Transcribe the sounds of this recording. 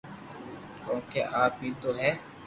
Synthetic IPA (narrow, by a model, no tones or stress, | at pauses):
kõːkeʔaːp̚ɦit̪oːɦɛː